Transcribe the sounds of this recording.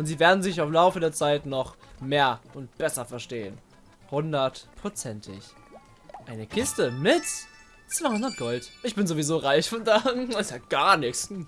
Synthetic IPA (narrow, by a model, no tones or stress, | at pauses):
ʔʊntz̥iːveːɐdn̩zɪçaʊmlaʊfədeːɐt͡saɪtnɔχmeːɐʔʊnt̚b̥ɛsɐfɛɐʃteːən | hʊndɐtpʁ̥ot͡sɛntʰɪ̰ç | ʔaɪnəkʰɪstəmɪtt͡s | t͡sv̥ahʊndɐt̚ɡ̥ɔltʔɪçb̥ɪnzovizoːʁaɪçfɔndaasaɡ̥aɐnɪks